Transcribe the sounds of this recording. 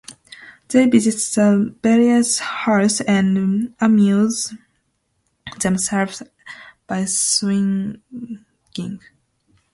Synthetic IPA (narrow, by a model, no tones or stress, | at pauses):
ð̥evɪzɪtsðəvɛɹiəshɑɹsɛ̃nəmjuz | ðɛ̃msɛlvz | b̥aɪswɪ̃ŋ | ɪ̃ŋ